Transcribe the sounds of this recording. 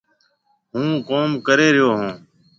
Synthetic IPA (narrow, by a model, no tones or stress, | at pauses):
ɦũːkoːmkəɾeːɾɪjoːɦũː